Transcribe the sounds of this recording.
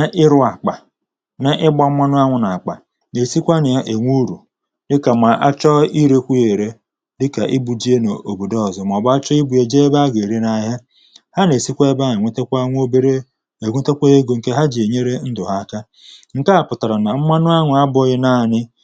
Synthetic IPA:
na˦ʔɪ˦ɾʊ˦a˨k͡pa˨ | na˦ʔɪ˦ɡ͡bɔ˦m̩˦mʷa˦nʊ˦a˦ŋʷʊ˨na˨a˨k͡pa̰˨ | ne˨si˦kʷa˦nɪ˨ja˦ʔe˨ŋʷu˦ɾu˨ | dɪ˦ka˨ma˨ʔa̰˦t͡ʃɔ˦i˦ɾe˦kʷu˦je˨ɾe˦ | dɪ˦ka˨ʔɪ˦bu˨d͡ʒi˦e˦no˨ʔo˨bo˨dɔ˦˨zɔ˨m˨ɔ˨bʊ˦a˦t͡ʃɔ˦i˦bu˨e˨d͡ʒe˦ba˦a˦ɡe˨ɾe˦na˦ɦa˦ | ha˦ne˨si˦kʷe˦e˦ba˦ɲɪ˨ŋʷe˦te˦kʷa˦ŋʷ˦o˦be˦ɾe˦ | e˨ŋʷe˦te˦kʷe˦e˦ɡo˨ŋ̩˨ke˦ɦa˦d͡ʒi˨e˨ɲe˦ɾe˦n̩˦dʊ˨ɦa˦ka˦ | ŋ̩˨ka˦a˨pʊ˨ta˨ɾa˨na˨m̩˦ma˦nʊ˦a˦ŋʷʊ˨a˦bʊ˦ɣɪ˦na˦˨nɪ˦

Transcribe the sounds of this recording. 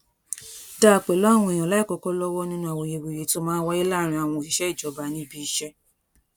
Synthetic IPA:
da˦˨k͡pe˨lɔ˦˨w̃ũ˧e˨j̃ã˨la˨˦i˦˨kɔ˨˦kɔ˦lɔ˦wɔ˦nĩ˦nũ˧˦a˨wo˨je˨we˨je˨˦to˧˦mãː˦wɔ˦i˦la˦˨ɾ̃ĩ˧˦a˨w̃ɔ̃˧o˨ʃi˨ʃɛ˦i˦˨d͡ʒɔ˨˦ba˧nĩ˧˦bi˦ʃɛ˦

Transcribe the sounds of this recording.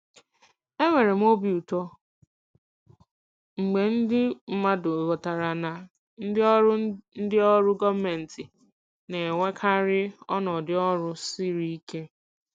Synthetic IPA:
e˦ŋʷe˨ɾe˨m̩˦o˦bi˨u˨tɔ˦ | ŋ͡m̩˨ɡ͡be˨n̩˦dɪ˦m̩˦ma˦dʊ˨ɣɔ˨ta˨ɾa˨na˨ | n̩˦dɪ˦ɔ˦ɾʊ˦n̩˦dɪ˦ɔ˦ɾʊ˦ɡɔ˦me˨n̩˨tɪ˨ | ne˨ŋʷe˦kʰa˦ɾɪ˦ɔ˦nɔ˨dɪ˦ɔ˦ɾʊ˦si˦ɾi˦i˦ke˦

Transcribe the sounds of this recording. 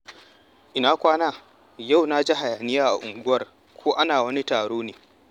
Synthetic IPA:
ʔɪ˨naː˦kʷaː˦naː˦ | ja˦˨wna˦d͡ʒi˦ɦa˨jaː˨nɪ˦jaː˦ʔa̰˨ʔʊ˨ŋɡʷʊ˦wɐ˦r | kʷʰoː˦ʔa˦naː˨wɐ˦ni˦taː˨ɽoː˦neː˨

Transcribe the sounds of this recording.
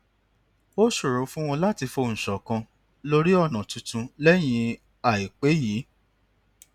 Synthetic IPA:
o˦ʃu˦˨ɾũ˨˦fũ˦w̃ɔ̃˧la˦ti˧fo˧n̩˨ʃɔ˨kã˧ | lo˦ɾi˦ɔ˦˨nã˨tũ˨˧tũ˧lɛ˦j̃ĩ˧ | a˨i˨k͡pe˨˦ji˨˦

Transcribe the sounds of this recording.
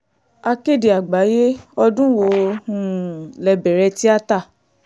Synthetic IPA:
a˧ke˦˨de˨a˨ɡ͡ba˨˦je˦ɔ˧dũ˦wo˨˦˧hũ˦˨lɛ˧bɛ˨ɾɛ˧ti˦a˦ta˦˨

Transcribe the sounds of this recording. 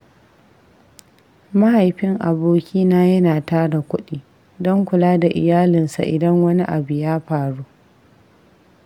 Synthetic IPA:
ma˦ha˨jɸɪ˦ŋʔa˨boː˦kʲiː˦naː˦jɐ˦naː˨taː˦da˨kʷʊ˦ɗiː˦ | dɔ˦ŋkʷʊ˨laː˦da˨ʔɪ̰˨jaː˦lɪ˨nsa̰˨ʔɪ˨dɐ˦ŋwɐ˦ni˦ʔa˨bu˨jaː˦ɸaː˨ɽuː˦

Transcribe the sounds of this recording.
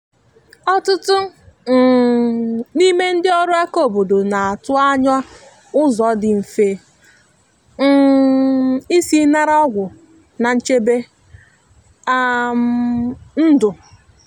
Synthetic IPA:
ɔ˦tʊ˦tʊ˦˨ | ni˦me˦n̩˦dɪ˦ɔ˦ɾʊ˦a˦ko˨bo˨do˨na˨a˨tʊ˦a˦ɲɔ˦ | ʊ˦zɔ˨˦dɪ˨m̩˨fe˨˦˨ | i˦si˦na˦ɾa˦ɔ˦ɡʷʊ˨ | na˨n̩˦t͡ʃe˦be˦ | a˦ | n̩˦dʊ˨

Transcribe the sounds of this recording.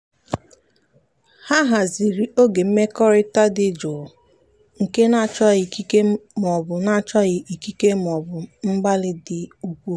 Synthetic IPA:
ha˦ɦa˨zi˨ɾi˨o˦ɡe˨m̩˦me˦kɔ˦ɾɪ˦ta˦dɪ˦d͡ʒo˨ | ŋ̩˨ke˦na˦˨t͡ʃɔ˦ɣi˨ki˦ke˦m˨ɔ˨bʊ˨na˦˨t͡ʃɔ˦ɣɪ˨i˨ki˦ke˦m˨ɔ˨bʊ˨m̩˦ɡ͡ba˦lɪ˦dɪ˨u˦kʷu˦

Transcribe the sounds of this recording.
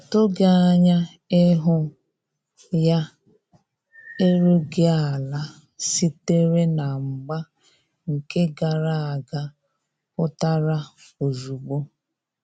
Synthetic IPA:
a˨to˦ɡa˨a˦ɲa˦ | ɪ˦ɦʊ˦ | ja˦ | e˦ɾu˦ɡɪ˦a˨la˦ | si˦te˦ɾe˦na˨ŋ͡m̩˨ɡ͡ba˦ | ŋ̩˨ke˦ɡa˨ɾa˦a˨ɡa˦ | pʊ˦ta˦ɾa˦o˨zu˨ɡ͡bo˦

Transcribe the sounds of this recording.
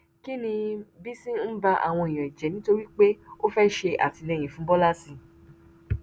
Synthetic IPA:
ki˦nĩ˧bi˦sĩ˦n̩˦ba˧ʔa̰˨w̃ɔ̃˧i˨j̃ã˨i˨d͡ʒɛ˨nĩ˨˦to˧ɾi˦k͡pe˦o˦fɛ˦ʃe˧ʔa̰˨ti˧nɛ˧j̃ĩ˨fũ˨˦bɔ˦la˦sĩ˧

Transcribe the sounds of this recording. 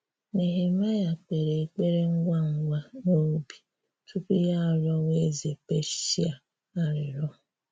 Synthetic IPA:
ne˨ɦe˨ma˦ja˨k͡pe˨ɾe˨e˨k͡pe˦ɾe˦ŋ̩˦ɡʷa˦ŋ̩˨ɡʷa˦no˦bi̥˨ | tu˦ku˦ja˦˨ɾɔ˦we˦ze˨pe˦ʃi˦a˨ | a˦ɾɪ˨ɾɔ˦˨

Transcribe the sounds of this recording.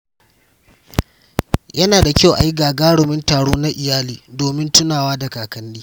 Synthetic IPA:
jɐ˦naː˨da˨kʲa˦wʔa˨ji˦ɡaː˨ɡaː˦ɽʊ˨mɪ˦ntaː˨ɽoː˦na˦ʔɪ˨jaː˦liː˨doː˨mɪ˦ntʊ˦naː˨waː˦da˨kaː˨kɐ˦nːiː˦

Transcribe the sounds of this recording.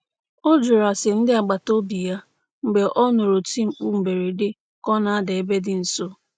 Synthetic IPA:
o˦d͡ʒʊ˨ɾa˨sɪ˨n̩˦dɪ˦a˨ɡ͡ba˨to˦bi˨ja˦ | ŋ͡m̩˨ɡ͡be˨ʔɔ˦no˨ɾo˨ti˦ŋ͡m̩˨k͡pu˦m̩˨be˨ɾe˨dɪ˦ | kɔ˦na˨˦de˨e˦be˦dɪ˦n̩˨so˦

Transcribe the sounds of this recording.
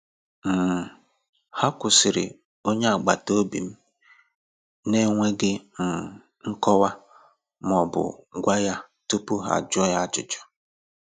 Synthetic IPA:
m̩˨ | ha˦kʷʊ˨sɪ˨ɾɪ̰˨ | o˦ɲe˦a˨ɡ͡ba˨to˦bḭ˨m̩˦ | ne˦ŋʷe˦ɡɪ˦m̩˨ | ŋ̩˦kɔ˦wa˦ | m˨ɔ˨bʊ̰˨ɡʷa˦ja˦ | tu˦pu˦ɦa̰˨d͡ʒɔ˦ja˦t͡ʃʊ˨t͡ʃɔ̥˦

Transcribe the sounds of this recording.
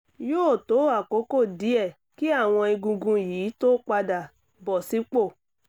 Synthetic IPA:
joː˦˨to˨˦a˦˨ko˨˦ko˦˨di˨˦ɛ˦˨ | ki˦a˦˨w̃ɔ̃˧i˧ɡũ˧ɡũ˧jiː˨˦to˦k͡pa˧da˨ | bɔ˨si˨˦k͡po˦˨

